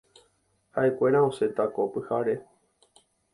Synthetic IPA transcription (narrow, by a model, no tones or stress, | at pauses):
haʔe̞kʷe̞ɾ̃aose̞t̪akopɨhaɾe̞